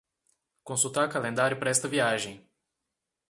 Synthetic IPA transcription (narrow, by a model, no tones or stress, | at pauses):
kõnsut̪akalẽnd̪aɾjʊpɾɛst̪ɐviaʒẽj̃